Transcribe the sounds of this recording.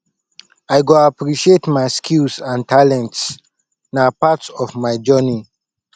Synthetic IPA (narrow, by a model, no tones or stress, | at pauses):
ajɡoapɹiʃietmaɪskʰilsãntalɛ̃nts | napatsɔvmajd͡ʒɜni